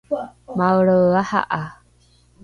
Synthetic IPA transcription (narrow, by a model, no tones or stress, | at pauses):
mawɾəaha̰ʔa